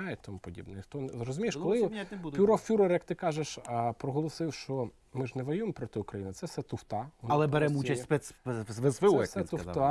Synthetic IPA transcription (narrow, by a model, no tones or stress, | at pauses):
jet̪ɐmupɔdʲḭbnɛnɪxt̪ɔnɾɔzʊmʲijɪʃkɔlˠɪpʲuɾɔfʲuɾɔrjɐkt̪ɪkɑʒeʃpɾɔɦɔlˠɔsɪwʃt͡ʃɔ | mɪʒnɛʋɔjujempɾɔt̪ɪʊkɾɐjinɪt̪sɛsɛt̪ʊwt̪ɑʋɔnɐlˠɛbɛɾɛmut͡ʃɐsʲspɛsspɛsʋɪɔsɛt̪ʊɑ